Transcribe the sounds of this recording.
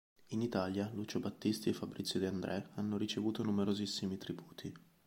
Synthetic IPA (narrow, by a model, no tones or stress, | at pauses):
init̪aljalut͡ʃobat̪ːist̪iefːabɾit̪sjod̪iand̪ɾʔɛanːoɾit͡ʃevuːt̪onumeɾozisːimit̪ɾibuːt̪ʰi